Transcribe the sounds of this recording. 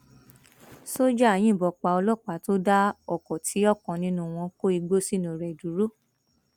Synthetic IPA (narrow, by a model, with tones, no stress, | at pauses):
so˦d͡ʒa˦a˨j̃ĩ˦˨bɔ˨k͡pa˧ɔ˧lɔ˦˨k͡pa˨to˦da˦ɔ˦˨kɔ˨tʰi˨˦ɔ˦˨kɔ̃˨nĩ˧nũ˦˨w̃ɔ̃˧ko˦i˧ɡ͡bo˦si˦˨nũ˨ɾɛ˨du˨˦ɾo˦˨